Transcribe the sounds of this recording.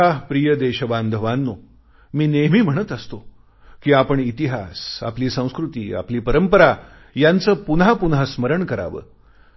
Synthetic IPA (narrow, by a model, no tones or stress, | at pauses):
aɦpɾijəd̪eɕəbãnd̪ʱəʋanːo | miːnemiːm̤əɽət̪əst̪o | kiːapəɳit̪iɦasa̰pliːsə̃w̃skɾut̪iːa̰pliːpəɾəmpəɾa | jant͡səːpunɦapunɦasməɾəɳkəɾa̰ʋə̰ː